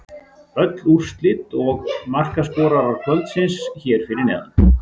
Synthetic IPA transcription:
œt̪lur̥st̪lɪt̪ɔɣmar̥kaspɔːɾaɾaɾ̥kʰvœlt̪sɪnsçɛɾ̥fɪɾɪɾnɛ̰ːðʏ̰m

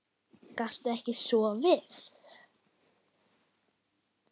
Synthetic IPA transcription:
kast̪ʏɛhcɪsɔvɪθ

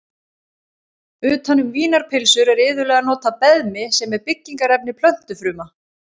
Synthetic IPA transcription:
ʏːt̪anːʏmviːnaɾ̥pʰɪlsʏɾɛɾɪːðʏlɛːɣanɔːt̪apɛðmɪsɛmɛɾpɪcːiŋkaɾɛpnɪpʰlœn̥t̪ʏfɾʏːma

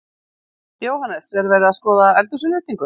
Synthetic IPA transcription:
joːwɦanɛsɛɾvɛːɾɪðaskɔːðaɛlt̪ʏsʏnɪht̪iŋkʏ

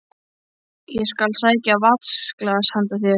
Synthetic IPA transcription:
jɛskalsaːjcavat̪sklaðashant̪aθjɛ

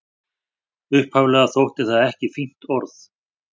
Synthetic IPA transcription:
ʏhphavlɛɣaθowht̪ɪ̥θaðɛhcɪfim̥t̪ɔɾθ

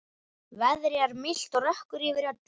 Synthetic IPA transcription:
vɛðɾɪaɾmɪl̥t̪ɔɣrœhkʏɾivɪɾat̪

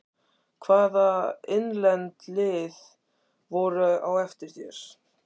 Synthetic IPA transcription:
kʰvaːðaɪnlɛnt̪lɪːð | vɔɾʏawɛft̪ɪɾ̥θjɛɾ̥

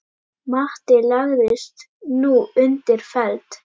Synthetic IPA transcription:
maht̪ɪlaɣðɪst̪ | nuːʏnt̪ɪɾ̥fɛlt̪

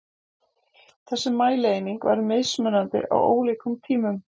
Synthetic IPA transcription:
θɛsːɪmːaːjleːjniŋkva̰ɾmɪðsmœnant̪ɪ̰ʔa̰wo̰ːwliːkʏmt̪ʰiːmʏm

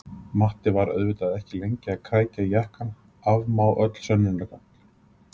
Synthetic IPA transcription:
maht̪ɪvaɾœ̰ðvɪt̪aðɛhcɪlejɲcɪaðkʰaːjc̪ajɛhkan | avmaːwʔœt̪l̥sœnːɪnlɛkan̥t̪

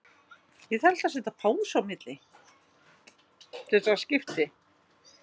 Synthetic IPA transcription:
jɛðɛl̥t̪asɛt̪apʰaːwsawmɪt̪lɪ | t̪ʰɛsascɪft̪ɪ

